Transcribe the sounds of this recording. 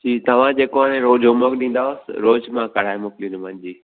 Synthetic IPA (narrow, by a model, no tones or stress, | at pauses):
d͡ʑiːt̪ɐʋ̤ãd͡ʑeːkoaɽẽɾoːd͡ʑʱomokɗĩːn̆d̪aːʊsɪɾoːd͡ʒmãkɐɽ̤aːemʊklinmãnd͡ʑiː